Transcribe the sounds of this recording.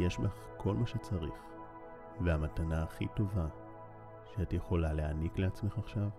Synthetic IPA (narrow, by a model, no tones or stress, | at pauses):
jeʃbaχkʰo̞lmaʃet͡saʁiχ | veamatanaaχitova | ʃeatjeχo̞laleanikleat͡sme̞χaχʃav